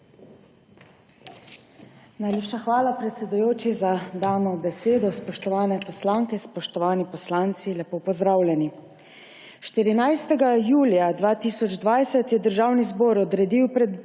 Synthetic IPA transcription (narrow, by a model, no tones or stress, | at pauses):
najleːpʃaxʋaːlapɾɛt̪sɛd̪ujoːt͡ʃizad̪aːnɔbɛseːd̪ɔspɔʃt̪ɔʋaːnɛpɔslaːŋkɛspɔʃt̪ɔʋaːnipɔslaːnt̪silɛpopɔzd̪ɾaːwlʲɛni | ʃt̪iɾinajst̪ɛɡajuːlijad̪ʋaːt̪iːsɔd͡ʒd̪ʋajsɛt̪jɛd̪əɾʒaːwnizbɔːɾɔd̪ɾɛd̪iwpɾɛd̪